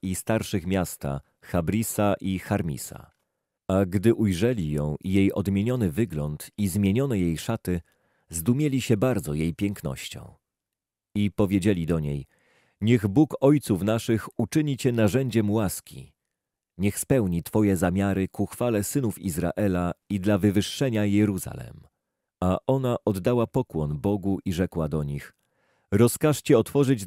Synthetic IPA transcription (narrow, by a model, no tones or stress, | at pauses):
ist̪aɾʂɘxmʲjast̪a̰ | xabɾisaʔixaɾmʲḭsa̰ | aɡd̪ɘʔujʐɛlʲijɔ̰̃w̃ijejɔ̰d̪mʲjeɲɔnɘvɘɡlɔnt̪izmʲjeɲɔnɛjejʂat̪ɘ | zd̪umʲjelʲiɕɛbaɾd̪zɔjejpʲjɛŋknɔ̰ɕt͡ɕɔ̰̃w̃ | ipɔvʲjed͡ʑelʲid̪ɔɲej | ɲɛɣbukɔjt̪sufnaʂɘxut͡ʂɘɲit͡ɕɛnaʐɛɲd͡ʑɛmwaskʲḭ | ɲɛxspɛwɲit̪fɔjɛzamʲjaɾɘkuxfalɛsɘnufizɾa̰ʔɛlaid̪lavɘvɘʂːɛɲajɛɾuza̰lɛ̰m | aʔɔnaʔɔd̪ːawapɔkwɔnbɔɡuʔiʐɛkwad̪ɔɲix | ɾɔskaʂt͡ɕɛɔt̪fɔʐɘd͡ʑ